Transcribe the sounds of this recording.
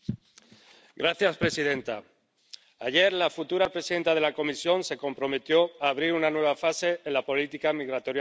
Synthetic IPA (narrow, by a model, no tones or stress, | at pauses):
ɡɾaθjaspɾe̞siðe̞nt̪a | aʝe̞ɾlafut̪uɾapɾesiðe̞nt̪að̞e̞lako̞misjo̞nse̞ko̞mpɾo̞me̞t̪jo̞aːβɾiɾunanwe̞β̞afase̞ːnlapo̞lit̪ikamiɣɾat̪o̞ɾja